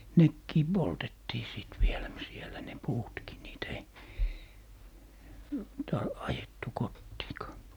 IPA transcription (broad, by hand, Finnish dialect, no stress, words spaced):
nekːiː poltetːiː siˑt ʋielæ m sielæ ne puːtki niːtæ̆ ei tɑ ɑjetːu kotːiːkɑː